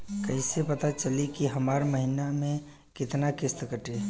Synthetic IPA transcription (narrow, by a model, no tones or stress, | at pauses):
kəɦisepət̪at͡ʃəlikiɦəmaːɾməɦinamẽ | kɪt̪nakɪst̪kəʈe